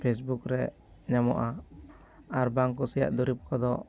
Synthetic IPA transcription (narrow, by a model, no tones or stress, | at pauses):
pʰes̬bukɾɛ | ɲamɔ̰ʔa | aɾbaŋkɔsija̰ʔd̪ɔɾip̚kɔd̪ɔ